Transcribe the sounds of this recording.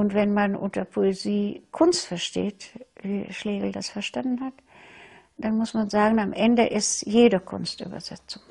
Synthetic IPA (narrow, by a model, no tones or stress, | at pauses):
ʔʊntv̥ɛnmanʔʊ̰ntɐpʰoeziːkʰʊnstfɛɐʃtḛːtviːʃleːɡl̩dasfɛɐʃtandn̩hat | d̥anmʊsmanzaːɡŋ̩amʔɛndəʔɪstjeːdɐkʰʊ̰nstʔy̰ːbɐ̰zɛ̰t͡sʊŋ